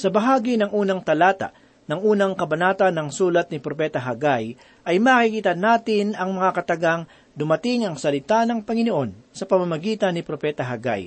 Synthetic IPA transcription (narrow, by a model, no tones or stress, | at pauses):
sɐbɐɦaːɡinɐŋʔuːnɐŋt̪ɐlaːt̪a̰ | nɐŋʔuːnɐŋkɐbɐnaːt̪ɐnːɐŋsuːlɐt̪̚nɪpɾopɛːt̪ɐɦɐɡaj | ʔɐjmaːkikiːt̪ɐnːaːt̪ɪnɐŋmɐŋakɐt̪ɐɡaŋ | d̪ʊmɐt̪ɪŋɐŋsɐlɪt̪anɐŋpɐŋɪnoʔo̞nsɐpɐmamɐɡiːt̪ɐnːɪpɾopɛːt̪ɐɦɐɡa̰j